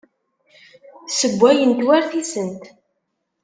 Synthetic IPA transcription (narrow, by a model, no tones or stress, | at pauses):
səbʷːæjənt̪wæɾθisənt̪